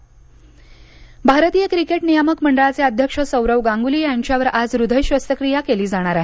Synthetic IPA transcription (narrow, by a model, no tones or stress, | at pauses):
bʱaɾət̪iːjəkɾikeʈnijaməkməɳɖəɭat͡seəd̪ʱjəkʂəsəwɾəʋɡãŋɡuliːjaɲt͡ɕjaʋəɾad͡zɾud̪ʱəjɕʋəst̪ʰəkɾijakeliːd͡zaɽ̃aɾaɦe